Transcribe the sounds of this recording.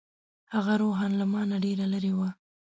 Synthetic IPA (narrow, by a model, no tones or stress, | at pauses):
haɣaɾoɦɑnlamɑnaɖeɾaləɾewa